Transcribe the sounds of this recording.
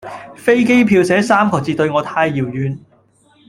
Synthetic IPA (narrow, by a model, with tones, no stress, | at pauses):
fe˥jke˥jpʰiː˧wsɛː˨˥saː˥mkʰɔː˨t͡siː˨t̪ɵ˧ɥŋɔː˨˧t̪ʰaː˧jːiː˨˩wjyː˨˧n